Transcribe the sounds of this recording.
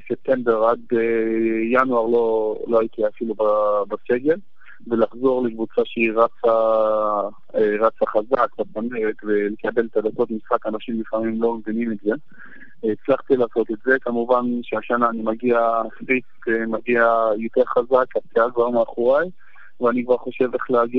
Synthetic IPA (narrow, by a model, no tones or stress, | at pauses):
sep̚t̪e̞mbe̞ʁad̪ejanuaʁlo̞loajt̪iafilubabaseɡe̞l | velaχzo̞ʁle̞kvut͡saʃeiʁat͡sa | ʁat͡saχazakbasameʁet̪vele̞kabe̞lt̪ad̪ako̞t̪misχakanaʃimlifamimlo̞mevinimetze̞ | it͡slaχt̪ilaːso̞t̪etze̞kamuvanʃeaʃanaːnimaɡiafʁiskmaɡiajo̞t̪e̞ʁχazakaptiaɡvaʁmeːχuʁaj | veanikvaʁχo̞ʃe̞veχleaɡi